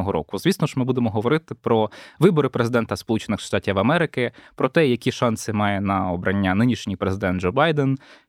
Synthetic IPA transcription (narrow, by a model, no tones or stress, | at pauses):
ɔɦɔɾɔ̰kʊzʋʲisnɔʃmɪbud̪emɔɦɔʋɔɾɪt̪ɪpɾɔʋɪbɔɾɪpɾezɪd̪ɛnt̪ɐspɔlˠut͡ʃenɪxʃt̪ɑtʲiʋɐmɛɾɪkɪpɾɔt̪ɛjɐkʲiʃɑnsɪmɑjɛnɐɔbɾɐnʲːanɪnʲiʃnʲijpɾezɪd̪ɛnd͡ʒɔbɑjd̪ɛn